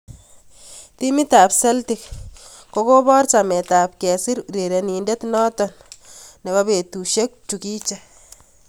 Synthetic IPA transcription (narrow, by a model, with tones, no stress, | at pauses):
ti˦mi˦ta˨pse˦ltik̚ | ko˦ko˦bɔ˦rt͡ʃa˨me˨ta˨p̚kɛ˨si˦ɾɾe˨ɾe˨ni˨nde˦tnɔ˦tɔ˨nne˨ba˦be˨tu˨ʃe˦k̚t͡ʃu˨ki˦t͡ʃa˨